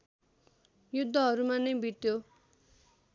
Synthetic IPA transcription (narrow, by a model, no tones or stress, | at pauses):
jud̪ʱːʌɦʌɾumanejbʱit̪jo